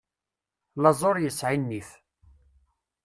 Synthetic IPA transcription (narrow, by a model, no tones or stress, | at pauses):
lɑzˤoɾjəsʕinːiθ